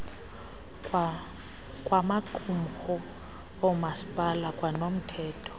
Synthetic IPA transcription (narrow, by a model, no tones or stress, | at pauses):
w | kʼwamakʰʼum̩χɔ | omaspʼalakʼwanom̩tʰɛːtʰɔ̥